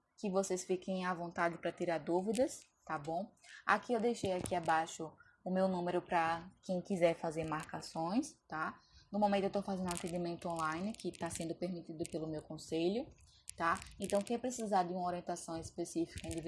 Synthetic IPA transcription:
kɪvosesfikẽj̃avõnt̪ad͡ʒɪpɾɐt̪iɾaɾd̪uvid̪ɐs | t̪abõa̰kiewd̪ejʃejakiabaʃʊ | ʊmewnũmeɾʊpɾɐkẽj̃kizɛɾfazeɾmaɾkasõj̃st̪anʊmomẽt̪ʊewt̪ofazẽnd̪ũat̪ẽd̪imẽnt̪ʊõlajnɪkɪt̪asẽnd̪ʊpeɾmit̪id̪ʊpelʊmewkõseʎʊ | t̪aẽnt̪ɐ̃w̃kẽj̃pɾesizaɾd̪ɪũmɐoɾiẽnt̪asɐ̃w̃ispesifi̥kɐẽd̪iv

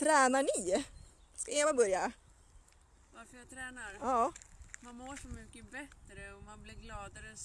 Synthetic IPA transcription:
t̪ʰɾɛːnaɳɪ | skaeːvabœɾja | vaɾfəjat̪ʰɾɛːnaɾjɑːmanmoːʂɔmʏkːəbɛt̪ːɾəɔmanblɪɾɡlɑːd̪aɾə

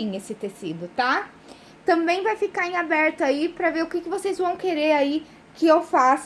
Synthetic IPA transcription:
ĩesɪt̪esid̪ʊt̪a | t̪ɐ̃mbẽj̃vajfikaẽabɛɾt̪ʊaipɾɐveɾʊkɪkɪvosejzvɐ̃w̃keɾeɾai | kɪewfas

